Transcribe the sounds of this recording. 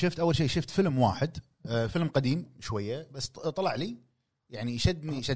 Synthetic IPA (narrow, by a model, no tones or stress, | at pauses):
ʃɪft̪ʔawːalʃ̬iːʃʊft̪fɪlmwa̰ːħɪd̪ | fɪlmqad̪iːmʃwajːabasːt̪ˤɑlɑʕliː | jaʕniʃad̪ːniʃa